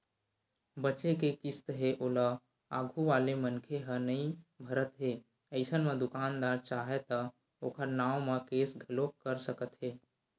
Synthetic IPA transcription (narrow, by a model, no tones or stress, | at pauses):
bət͡ʃekekɪst̪ɦeʔoːla | aːɡʱuʋaːlemənkʰeɦənəĩbʱəɾət̪ɦeː | əɪsənmẽd̪ʊkaːnd̪aːɾt͡ʃaːɦet̪ə | oːkʰəɾnaːwmãkeːsɡʱəlokəɾsəkət̪ɦeː